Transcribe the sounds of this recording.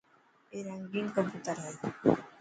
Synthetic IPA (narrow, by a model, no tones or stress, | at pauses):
eɾaŋɡinkomput̪aɾaj